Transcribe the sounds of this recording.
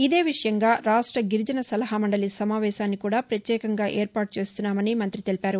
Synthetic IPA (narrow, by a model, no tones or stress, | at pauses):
id̪e̞ːʋiʂɐjɐŋɡaːɾaːʂʈɾɐɡiɾd͡ʒɐnɐsɐlɐɦɐmɐɳɖɐlisɐmaːʋɛːʃaːnːikuːɽaːpɾɐt̪jɛːkɐŋɡaːʔeːɾpaːʈ̚ut͡ʃe̞ːst̪unːaːmɐnimɐnt̪ɾit̪e̞lipaːɾu